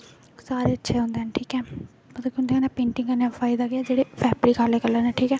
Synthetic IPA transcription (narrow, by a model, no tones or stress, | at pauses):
saːɾeːətːʃʰeːɦʊ̃nd̪eːɛnʈʰiːkɛː | mət̪õːkjõnd̪eənɛːpẽːɳʈɪ̃ŋɡənɛpʰaːɪd̪aːɡeaːd͡ʒeːɽeːpʰɛːpəɾiːkaːɾleːkəlːənɛʈʰiːkɛː